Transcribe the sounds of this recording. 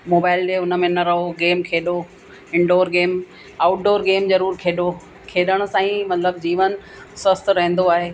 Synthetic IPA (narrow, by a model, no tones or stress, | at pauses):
moːbaːɪlɗeʊnə̆mẽnɐɾɐɦoɡeːmkʰeːɗo | ɪ̃ɳɖoːɾɡeːm | aːʊʈ̚ɖoːɾɡeːmzɐɾuːɾkʰeːɗo | kʰeːɗəɽ̃ʊ̆sãːĩmɐt̪ləb̚d͡ʑiːʋən | swɐst̪ɾɐɦɪ̃nd̪oaːɦeː